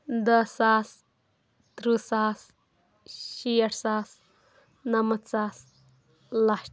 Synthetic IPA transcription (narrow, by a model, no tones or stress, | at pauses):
d̪əsas | t̪ɾusas | ɕijəʈsaːs | nɐmət̪t͡saːs | laɕ